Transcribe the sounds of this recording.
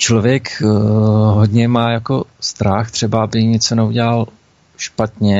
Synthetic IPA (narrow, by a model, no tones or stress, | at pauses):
t͡ʃlovjɛk | ɦo̞dɲɛmaːjako̞st̪ɾaxt̪r̝̥ɛbaabɪjɪɲɛt͡sonɛuɟɛlal | ʃpat̪ɲɛ